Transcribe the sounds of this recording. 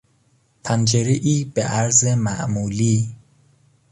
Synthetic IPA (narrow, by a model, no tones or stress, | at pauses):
pʰænd͡ʒeɾeʔiːb̥eʔæɾzemæʔmuːliː